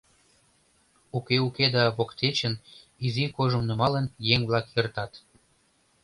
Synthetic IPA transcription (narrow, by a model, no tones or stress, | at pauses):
ukeuked̪ɑβokt̪et͡ɕən | izikoʒə̆mnə̆mɑlənjeŋβlɑkjert̪ɑt̪